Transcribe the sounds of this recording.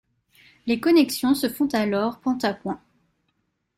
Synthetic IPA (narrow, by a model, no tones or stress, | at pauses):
lekɔnɛksjɔ̃səfɔ̃t̪alɔʁpɑ̃t̪apwɛ̃